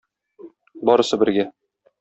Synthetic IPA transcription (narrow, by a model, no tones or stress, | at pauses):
bɒɾɤ̆sɤbɘ̆ɾɡæ